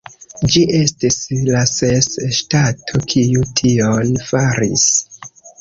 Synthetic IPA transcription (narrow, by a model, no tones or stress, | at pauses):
d͡ʒiʔe̞stislasesʃtatʰo̞kʰijutʰionfaɾḭs